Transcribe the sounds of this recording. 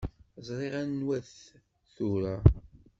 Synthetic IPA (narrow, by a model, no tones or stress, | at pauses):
zˤɾˤeʁænːwæθ | θuɾa